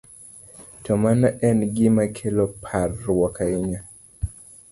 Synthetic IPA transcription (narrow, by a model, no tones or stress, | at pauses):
tɔmanaʔɛnɡimakʰɛlɔpʰarwɔkʰaiɲa